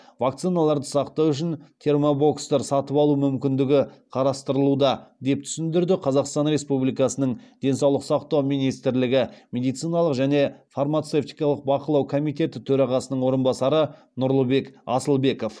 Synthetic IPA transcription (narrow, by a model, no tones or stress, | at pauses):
vak̚t̪sijnalˠɑɾd̪əsɑqt̪ɑwʏʃ̬ɪnt̪ʰe̞rmobo̞kst̪ɑɾsɑt̪əpɑlˠumʏmkʲɪnd̪ɪɡʲɪqʰɑɾɑst̪əɾəlˠud̪ɑd̪e̞p̚t̪ʰʏ̥sɪnd̪ɪɾd̪ɪqʰɑzɑqst̪ɑnɾe̞spublijkɑsənəɴd̪̥e̞nsɑwlˠəqsɑqt̪ɑwmijnijst̪ɾlɪɡʲɪmʲe̞d̪ijt̪sɨjnɑlˠəqʒæne̞farmat̪seft̪ijkɑlˠəq̚bɑqəlˠɑwkʰo̞mijt̪e̞t̪ɪt̪ʰɵɾɑʁɑsənəɴwo̞ɾənbɑsɑɾə | nʊɾlˠəbe̞kɑsəlˠbe̞ko̞f